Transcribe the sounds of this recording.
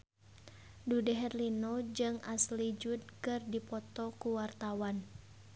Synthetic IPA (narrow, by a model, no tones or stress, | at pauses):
dudɛɦɛrlinod͡ʒɨŋaslid͡ʒud̪̚kɨrdipɔt̪ɔkuwart̪awan